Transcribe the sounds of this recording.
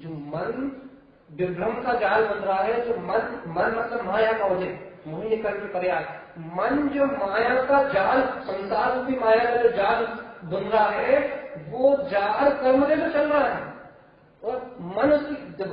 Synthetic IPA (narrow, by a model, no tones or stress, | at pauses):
d͡ʒoːmɐn | bɪbɾəmkad͡ʒaːlbɐnd̪ɾaɦɛd͡ʒoːmɐnmɐnmɐt̪lɐbmaːjakaɦod̪eːmʊɦɪnjəkɐɾmkipɐɾjaːɦɛ | mɐnd͡ʒoːmaːjãkad͡ʒaːlsɐnsaːɾɾupimaːjakad͡ʒoːd͡ʒaːlbɐnd̪ɾaɦɛʋoːd͡ʒaːlkɐɾmd̪ed̪ot͡ʃɐlɾaɦɛː | ɔːɾmɐnʊskid̪